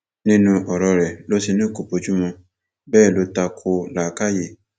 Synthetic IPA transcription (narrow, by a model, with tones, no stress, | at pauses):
nĩ˦nũ˧ʔɔ˨ɾɔ˧ɾɛ˨lo˦si˧nĩ˦˨ko˨bo˨˧˦d͡ʒu˦mɔ̃˧ | bɛː˦˨lo˨˦ta˧kʰo˧˦la˨ka˦je˦˨